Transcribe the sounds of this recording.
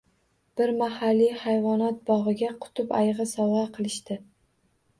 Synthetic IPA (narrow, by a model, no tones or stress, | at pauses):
b̥ɪɾmahalːijhajvɒnat̪̚bɒʁɨɡʲaqʰʊ̥t̪ʰʊpajʁɨsɒwʁɑqʰɨlˠɪʃt̪ɪ